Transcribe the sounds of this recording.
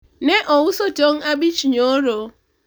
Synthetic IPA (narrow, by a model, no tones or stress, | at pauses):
neʔɔwusotoŋabit͡ʃɲoɾo